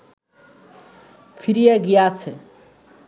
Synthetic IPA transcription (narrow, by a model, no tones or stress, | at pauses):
pʰiɾijaɡijat͡sʰe